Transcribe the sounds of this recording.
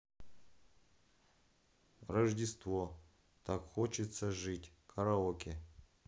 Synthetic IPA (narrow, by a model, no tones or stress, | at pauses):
rɐʐdʲɪst̪vo | t̪ʰakxot͡ɕɪt̪sɐʐɨtʲkʰɐɾaokʲɪ